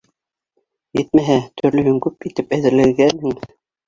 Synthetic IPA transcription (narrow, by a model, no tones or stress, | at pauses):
jɘt̪̚mæɦæt̪ʰɵ̆ɾlɵ̆hɘŋkʉpit̪ɘpæðɘ̆ɾlɘ̆ɡænhɘŋ